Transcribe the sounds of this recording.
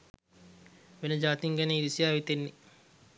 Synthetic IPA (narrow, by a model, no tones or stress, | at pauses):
menəd͡ʒaːt̪iŋɡæneiɾisijaːʋit̪enːe